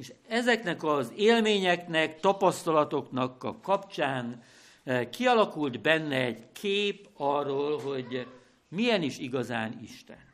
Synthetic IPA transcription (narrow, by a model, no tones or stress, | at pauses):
eʃɛzɛknɛkɒzeːlmeːɲɛknɛkt̪ɒpɒst̪ɒlɒt̪o̞knɒkːɒ̰kːɒpt͡ʃaːn | kiɒlɒkuld̪bɛnːɛɛɟkʰeːpɒrːoːlɦo̞ɟ | mijɛniʃiɡɒzaːnḭʃt̪ɛ̰n